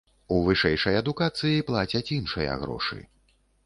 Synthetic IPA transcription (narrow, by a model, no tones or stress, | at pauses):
uvɨʂɛjʂɐjɐd̪ukat̪sɨjiplˠat͡sʲɐt͡sʲinʂɨjɐ̰ɣɾɔ̰ʂɨ̰